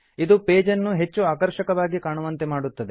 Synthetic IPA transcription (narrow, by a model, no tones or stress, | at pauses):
id̪upeːd͡ʒɐnːuɦe̞t͡ʃːuaːkɐɾʃɐkɐʋaːɡikaːɳuʋɐnt̪emaːɽut̪ːɐd̪e̞